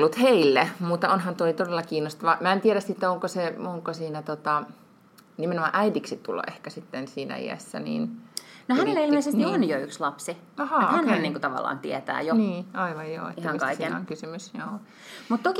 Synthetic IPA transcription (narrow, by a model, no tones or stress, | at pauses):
lːut̪heilːemut̪ːɑonɦɑnt̪oit̪odelːɑkiːnːost̪ɑʋɑmæent̪ieɾæst̪iet̪ːæoŋkoseoŋkosiːnæt̪ot̪ɑ | nimenomɑ̰̃ʔæidiksit̪tulːɑ̰ʔehkæsit̪ːensiːnæ̰ḭæ̰sːæ̰nḭːnnohænelːeilmmeˑisesionjoykslɑpsi | ɑhɑohænneænniːŋkut̪ɑʋɑ̰lːɑ̰ːnt̪ḭɛt̪æ̰ːjoniːɑiʋɑjjo̰ːḛt̪ːæɑŋkɑisinæ̰o̰ŋkysymysjoː | mut̪t̪oki